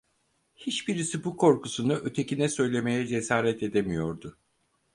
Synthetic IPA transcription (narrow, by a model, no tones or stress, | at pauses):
hit͡ʃbiɾisibukʰo̞ɾkusunɯʔø̞t̪ʰe̞cinɛsø̞jlʲe̞me̞jɛd͡ʒe̞saːɾɛt̪e̞d̪emijo̞ɾd̪ʊ